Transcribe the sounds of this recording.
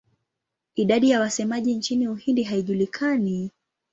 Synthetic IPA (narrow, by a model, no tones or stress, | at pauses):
iɗaɗijawasɛmaʄint͡ʃiniuhindiɦaiʄulikʰani